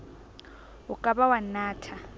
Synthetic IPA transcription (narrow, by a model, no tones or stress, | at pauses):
ʊkʼaɓawanaːtʰa